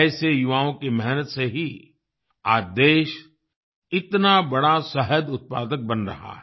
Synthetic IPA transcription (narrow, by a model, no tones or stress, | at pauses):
ɛːsejʊʋaːõkemɛɦnət̪seɦi | aːd̪eːʃ | ɪt̪nabɐɽasɐɦəd̪ʊt̪̚pa̰ːd̪ək̚bɐnɾɐ̰ɦa̰ːɦɛ